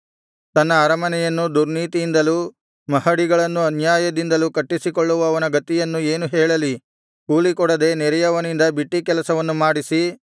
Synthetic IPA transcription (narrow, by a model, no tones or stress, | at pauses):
t̪ɐnːɐaːɾɐmɐnɛjɐnːud̪uɾniːt̪ijind̪ɐluː | mɐhɐɽiɡɐɭɐnːuɐnjaːjɐd̪ind̪ɐlukɐʈːisikɔɭːuʋɐːʋɐnɐɡɐt̪ːijɐnːue̞ːnuɦɛːɭɐli | kuːlikɔɽɐd̪e̞nɛɾɛjɐʋɐnind̪ɐbiʈːikɛlɐsɐʋɐnːumaːɽisi